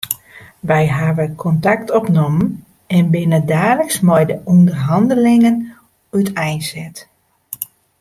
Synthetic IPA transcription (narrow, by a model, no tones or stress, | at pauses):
ʋɛjɦaʋəkʰɔntaktɔpnomən | ɛnbɪnədaːləksmɔjdəʔundərɦɑndəlɪŋən | ytɛjnsɛt